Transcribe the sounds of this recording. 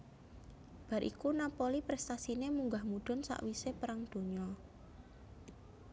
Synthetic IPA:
b̥a̤ɾʔḭkunapolipɾɛst̪asinemuŋɡahmud̪̥ɔ̤nsa̰ʔwisepəɾaŋd̪̥o̤ɲɔ

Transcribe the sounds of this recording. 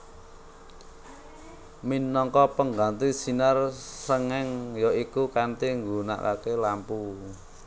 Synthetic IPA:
minɔŋkɔpəŋɡant̪isinarsəŋɛŋjoikukant̪iŋɡuna̰ʔka̰kelampu

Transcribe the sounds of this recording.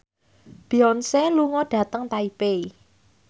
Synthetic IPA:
b̥iɔnseluŋɔɖ̥ä̤t̪əŋt̪aipei

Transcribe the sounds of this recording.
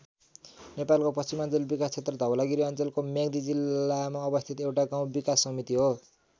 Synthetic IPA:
nepalkopʌst͡simʌnt͡sʌlbikast͡sʰet̪rʌd̪ʱʌwlaɡiɾiʌnt͡sʌlkomaɡd̪id͡zilːamaʌbʌst̪ʰit̪ewʈaɡaw̃bikasːʌmit̪iɦo

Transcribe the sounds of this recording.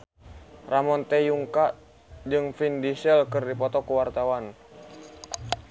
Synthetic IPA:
ramɔnt̪ɛjuŋka | d͡ʒɨŋfindisɛlkɨrdipɔt̪ɔkuwart̪awan

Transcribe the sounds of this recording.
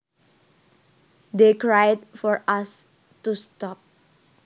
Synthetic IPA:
dekɹajdfɔɹʔas | tustɔp̚

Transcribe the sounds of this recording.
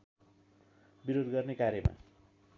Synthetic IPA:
biɾod̪ɡʌrnekaɾjʌma̰

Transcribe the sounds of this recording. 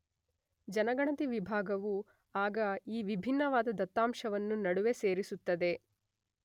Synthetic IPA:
d͡ʒɐnɐɡɐɳɐt̪iʋibʱaːɡɐʋu | aːɡɐiːʋibʱinːɐʋaːd̪ɐd̪ɐt̪ːaːmʂɐʋɐnːunɐɽuʋe̞se̞ːɾisut̪ːɐd̪e̞

